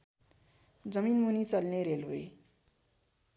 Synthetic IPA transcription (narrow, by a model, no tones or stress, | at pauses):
d͡zʌminmunit͡sʌlneɾeloe